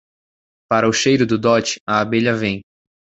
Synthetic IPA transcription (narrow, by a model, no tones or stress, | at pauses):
paɾɐʊʃejɾʊd̪ʊd̪ɔt͡ʃɪ̥ɐabeʎɐvẽj̃